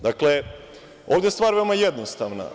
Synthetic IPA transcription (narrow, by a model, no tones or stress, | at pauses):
d̪akle | o̞ːvd̪jest̪ʋaːɾve̞omajed̪nost̪aʋna̰